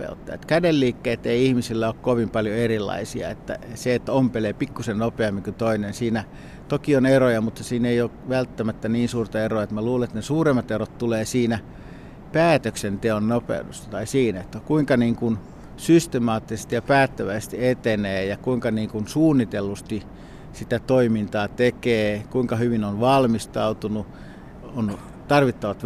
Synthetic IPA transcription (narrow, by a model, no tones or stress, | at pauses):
ḛut̪ːɑ̰ḛt̪kædelːiːkːeːt̪eiihmisilːæoːkkoʋimpɑljoerilːˑɑ̰isiɑ̰ḛt̪ːæ̰seet̪ːæompelepikːusennopeɑmːiŋkyt̪oinensiːnæ | t̪okionerojɑmut̪ːɑsiːneioːkʋælt̪ːæmæt̪ːæniːnsuːrt̪ɑeroɑet̪mæluːleet̪nesuːremːˑɑt̪erot̪t̪uleːsiːnæ | pæːt̪øksent̪eonnopḛudṵst̪ɑ̥t̪ɑisiːnet̪ːækuiŋkɑniːŋkun | syst̪emɑːt̪ːise̥st̪ijɑpæːt̪ːæʋæist̪iet̪eneːjɑkuiŋkɑniːŋkunsuːnːit̪elːust̪i | sit̪æt̪oimint̪ɑːt̪ekeːkuiŋkɑhyʋinonʋɑlmist̪ɑut̪unu | on | t̪ɑrʋit̪ːɑʋɑt̪